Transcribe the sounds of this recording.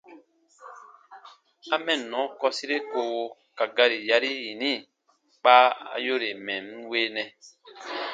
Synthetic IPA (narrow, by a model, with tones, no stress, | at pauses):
a˦mɛ̃˨nɔ̃˨˦kɔ˧si˦ɾe˦ko˧˨˧ | ka˨ɡa˧ɾi˨ja˧ɾi˦ji˨nĩ˦˨ | k͡pa˦a̰˨jo˦ɾe˨mɛ̃˨m˦weː˦nɛ̃˨